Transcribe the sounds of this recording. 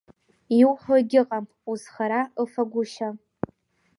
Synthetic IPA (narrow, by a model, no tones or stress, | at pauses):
iwħʷoɡʲɪqʼam | uzχaɾaɨfaɡʷʊʃa